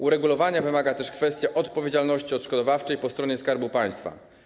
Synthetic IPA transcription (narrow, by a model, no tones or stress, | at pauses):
uɾɛɡulɔvaɲavɘmaɡat̪ɛʂkfɛst̪ʲjaʔɔt̪pɔvʲjed͡ʑalnɔɕt͡ɕiɔt̪ʂkɔd̪ɔvaft͡ʂɛjpɔst̪ɾɔɲɛskaɾbupaj̃st̪fa̰